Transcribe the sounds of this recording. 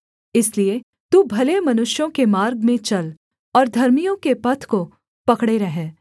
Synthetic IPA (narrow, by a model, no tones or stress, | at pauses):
ɪslie | t̪ubʱɐlemɐnʊʃjõkemaːɾɡmẽt͡ʃɐl | ɔːɾd̪ʱɐɾmijõkepɐt̪ʰko | pɐkɽeɾɐɦeː